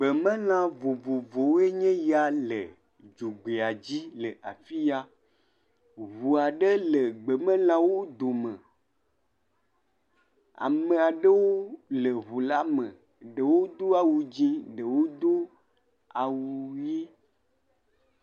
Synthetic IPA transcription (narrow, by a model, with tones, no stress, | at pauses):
ɡ͡bə˨mə̃˦lã˦vo˨vo˨vo˨wo˦e˦ɲɛ̃˦ja˦lə˨ | d͡ʒu˨ɡ͡be˨a˨d͡ʑi˦lə˨ʔa˨fi˦ja˦ | βu˨a˨ɖə˦lə˨ɡ͡bə˨mə̃˦l̃ã˦wo˦d̪o˨mə̃˨ | a̰˨mə̃˨a˨ɖə˦wo˦lə˨βu˨la˦mə̃˨ | ɖə˨wo˦d̪o˦a˨wu˨d͡ʑĩ˦ɖə˨wo˦d̪o˦ | a˨wu˨ji˦